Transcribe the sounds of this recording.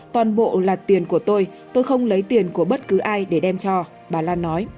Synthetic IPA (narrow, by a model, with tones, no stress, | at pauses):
t̪waː˨˩nɓo̰˧˨laː˨˩t̪i˨˩ənku˧˩ət̪o˧j | t̪o˧jxə˧wŋ͡mlə˨˦jt̪i˨˩ənku˧˩əɓə˦˥t̚kɨ˨˦ʔaː˧jɗe˧˩ɗɛ˧mt͡ɕɔ˧ | ɓaː˨˩laː˧nːɔ˨˦j